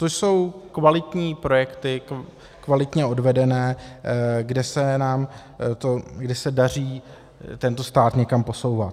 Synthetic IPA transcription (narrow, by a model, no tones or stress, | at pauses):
t̪oʃso̞wkvalɪt̪ɲiːpɾo̞jɛkt̪ɪ | kvalɪt̪ɲɛo̞dvɛdɛnɛː | ɡdɛsɛnaːm | t̪oɡdɛsɛdar̝iː | t̪ɛnt̪o̞st̪aːt̪ɲɛkampo̞so̞wvat̪